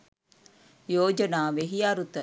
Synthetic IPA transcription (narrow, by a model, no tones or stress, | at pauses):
joːd͡ʒɐnaːʋeɦiaɾut̪ɐ